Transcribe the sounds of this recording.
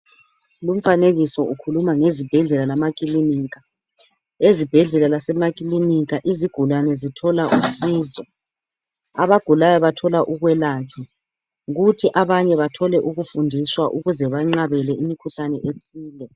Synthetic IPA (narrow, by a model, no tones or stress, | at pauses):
lum̩faneɣisɔʔukʰulumaŋezib̥ʱɛɮɛlalamakʼiliniːɣa | ezib̥ʱɛɮɛlalasɛmak̬ʼiliniɣaʔiziɡ̥ʱulwanɛzitʰɔlaʔusiːzɔ | aβaɡ̥ʱulajɔβatʰɔlaʔuɣwɛlat͡ʃʰɛ | ɣutʰiʔaβaɲɛβatʰɔlɛʔuɣufundʱiswaʔuɣuzɛβaŋ͡ǁaβɛlɛʔimikʰuɬanɛʔetʼiːlɛ